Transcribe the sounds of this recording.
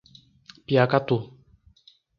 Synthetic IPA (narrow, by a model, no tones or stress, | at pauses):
pjakat̪u